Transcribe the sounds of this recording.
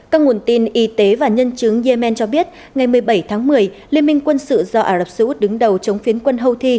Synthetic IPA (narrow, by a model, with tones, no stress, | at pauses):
kaː˧˥k̚ŋu˨˩ənt̪i˧˩nʔi˨˦t̪e˨˦vaː˨˩ɲə˧nt͡ɕɨ˨˦əŋzɛ˧mɛ˧nt͡ɕɔ˧ɓi˦˥ət̚ | ŋa˨˩jmɨ˨˩əjɓə˧˩jt̪ʰaː˨˦ŋmɨ˨˩əj | li˧ənmï˧ŋkwə˧nsɨ̰˧˨zɔ˧ʔaː˧˩lə˨˩p̚sɨ˧u˦˥t̚ɗɨ˨˦ŋɗə˨˩wt͡ɕə˨˦wŋ͡mfi˨˦nkwə˧nɦə˧wt̪ʰi˧